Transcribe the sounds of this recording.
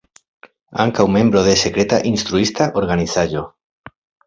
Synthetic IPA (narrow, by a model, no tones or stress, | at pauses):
a̰ŋkawmẽmbɾoðesekɾet̪a̰ʔinst̪ɾuist̪aʔoɾɣaniθaʒo